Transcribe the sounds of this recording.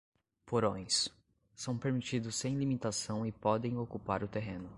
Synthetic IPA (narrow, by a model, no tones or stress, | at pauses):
poɾõj̃s | sɐ̃w̃peɾmit͡ʃid̪ʊsːẽj̃limit̪asɐ̃w̃ɪpɔd̪ẽj̃okupaɾʊt̪eɦẽnʊ